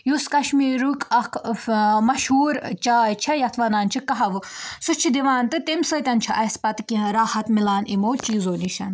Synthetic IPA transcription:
juskɐʃmiːɾukʰʼɐkʰmɐʃɦuːɾt͡ʃaːjt͡ʃʰɐjɐt̪ʰʋɐnaːnt͡ʃʰikɐɦɐʋɨsut͡ʃʰid̪iʋaːnt̪ɨt̪emʲsət̪ʲɐnt͡ʃʰiʔɐspɐt̪kĩɾaːhɐt̪milaːnimoːt͡ʃiːzoːliʃɐn

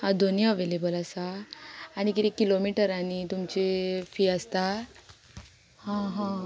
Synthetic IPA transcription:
hãd̪ʱonijaʋelebəlasaː | ñikit̪ikːilomiʈəɾañit̪umt͡ɕefiːəst̪a | hãɦã

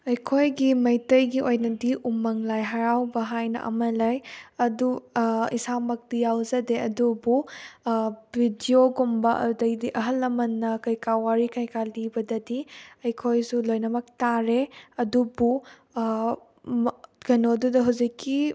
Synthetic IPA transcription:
ɐjkʰojɡimɐjtɐjɡiojnɐdiʔumːɐŋlajɦaɾawbɐɦajnɐ̰ʔɐ̰mɐlajɐduisamɐk̚tijawzɐdeɐdubu | bʱidioɡumbɐʔɐ̰dɐjdiʔɐɦɐlːɐmɐnːɐkɐjkawaɾikajkalibɐdɐdiɐjkʰojsulojnɐmɐk̚taɾeɐdubu | ɡɐnodudɐɦɐwzikːi

